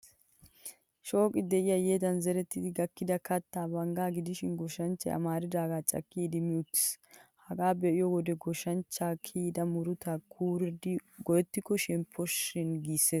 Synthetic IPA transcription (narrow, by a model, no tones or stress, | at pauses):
ʃo̞ːkʼɪd̪ɛʔɪjajeːd̪ɐnzɛɾɛt̪ːɪd̪ɪɡɐkːɪd̪ɐkɐt̪ːaːbɐŋɡaːɡɪd̪ɪʃɪnɡɔʃɐnt͡ʃːɐ̰ʔɐ̰maːɾɪd̪aːɡaːt͡ʃʼɐ̰kːiːd̪ɪmɪjʊt̪ːɪ̥shɐɡaːbɛʔɪjɔwɔd̪ɛɡɔʃɐnt͡ʃːaːkʰiːd̪ɐmʊɾʊt̪akʰuːɾɛd̪ɡɔjɛt̪ːɪkːɔʃɛmpʰːɔʃɪnɡiːsːeːs